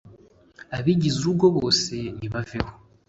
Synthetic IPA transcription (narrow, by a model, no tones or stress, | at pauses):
aβiɟizubɡo̞βo̞ːse̞niβaveho